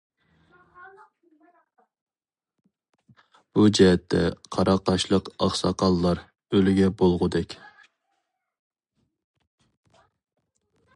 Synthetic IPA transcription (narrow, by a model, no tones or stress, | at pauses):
b̥ud͡ʒɛɦɛt̪ʰːɛ̰qʰɑɾʔɑqɑʃlˠəqɑχsɑ̰qʰɑlːˠɑɾ | ølyɡʲɛbolˠʁʊd̪ɛkʲ